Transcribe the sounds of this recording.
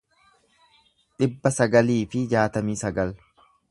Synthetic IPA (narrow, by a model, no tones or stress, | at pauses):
ᶑɪbːɐsɐɡɐliːfɪd͡ʒaːt̪ɐmiːsɐɡɐl